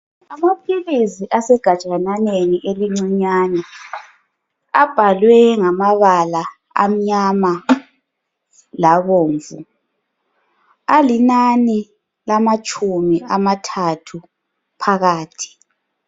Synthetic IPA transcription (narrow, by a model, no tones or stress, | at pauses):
amapʰiliziʔasɛɡ̥ʱat͡ʃʼananeniʔeliŋ͡ǀiɲaːnɛ | ab̥ʱalwɛŋamaβala | a̰m̩ɲama | laβoːɱvṵ | alinani | lamat͡ʃʼumiʔamatʰatʰu | pʰaɣaːtʰi̥